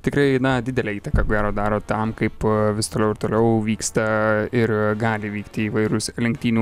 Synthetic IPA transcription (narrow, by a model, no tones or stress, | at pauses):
t̪ʲɪkɾɐɪnɐd̪ʲɪd̪ʲɛlʲɛːiːt̪ɐkɐkoːɡʲæːɾoːd̪ɑːɾoːt̪ɐmkɐɪpʋʲɪst̪oːlʲɛʊɪɾt̪oːlʲɛʊʋʲiːkst̪ɐɪrɡɑːlʲɪʋʲiːkt̪ʲɪiːʋɐɪɾʊslʲɪŋk̚t̪ʲiːnʲuː